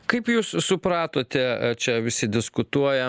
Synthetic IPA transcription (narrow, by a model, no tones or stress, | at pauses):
kɐɪpjuːssʊpɾɑːt̪oːt̪ʲɛt͡ʃʲɛʋʲɪsʲɪd̪ʲɪskʊt̪uɔjɛ